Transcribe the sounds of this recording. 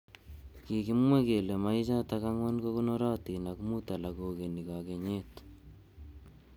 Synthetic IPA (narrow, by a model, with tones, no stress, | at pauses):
ki˨ki˦mwe˦ke˨le˨ma˨˦i˦t͡ʃa˦ta˦ka˦ŋwa˦nko˦ku˦no˦ɾa˦t̪ina˨kmu˦ta˨la˨ko˨ke˨ni˨kake˨ɲe˦t